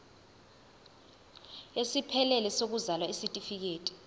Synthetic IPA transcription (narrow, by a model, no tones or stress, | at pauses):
esipʰɛlɛlɛsok̬uzalwaisitʼifik̬eːtʼi̥